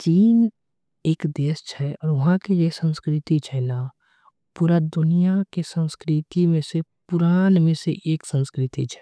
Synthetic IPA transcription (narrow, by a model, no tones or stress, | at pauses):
t͡ʃiːn | eːkd̪eːst͡ʃʰɛɔːɾʋɐɦãkejesə̃nskɾɪt̪it͡ʃʰɛna | puːɾad̪ʊnijakesə̃nskɾɪt̪imẽsepʊɾaːnmẽsḛʔeːksə̃nskɾɪt̪it͡ʃʰɛ̥ː